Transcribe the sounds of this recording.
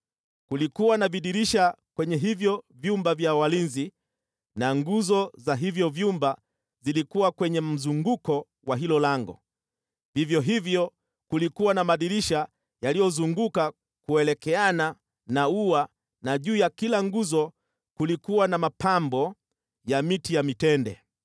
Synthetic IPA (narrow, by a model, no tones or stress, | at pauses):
kulikuwanaviɗiɾiʃakwɛɲɛɦivjɔvjumbavjawalinzi | naŋɡuzɔzaɦivjɔvjumba | zilikuwakwɛɲɛm̩zuŋɡukɔ | waɦilɔlaŋɡɔ̰ | vivjɔɦivjɔ | kulikuwanamaɗiɾiʃa | jalijɔzuŋɡuka | kuɛlɛkɛana | naua | naʄuːjakilaŋɡuzɔ | kulikuwanamapambɔ | jamitijamitɛndɛ̰